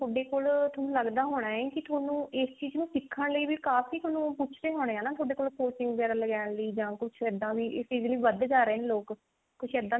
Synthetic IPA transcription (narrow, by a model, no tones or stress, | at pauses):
t̪ʰoːɖeːkoːlt̪ʰoːnũːləɡd̪aːɦoːɽaːeːkɪt̪ʰoːnũːɪst͡ʃiːznũːsɪkʰːəɳləiːʋiːkaːfiːt̪ʰoːnũːpʊt͡ʃʰɾeːɦoːɽ̃eːãːnãːt̪ʰoːɖeːkoːlpoːsʈɪ̃ŋɡɡɛːɾaləɡɛːɳləiːd͡ʒãːkʊt͡ʃʰɛːd̪ãːʋiːʔɪst͡ʃiːzliːʋəd̪d͡ʒaːɾeːneːloːk | kʊt͡ʃʰɛːd̪ːãː